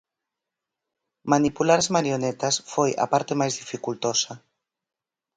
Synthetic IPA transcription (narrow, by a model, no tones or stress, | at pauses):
manipulaɾazmaɾjonet̪asfoja̰paɾt̪emajzðifikult̪osa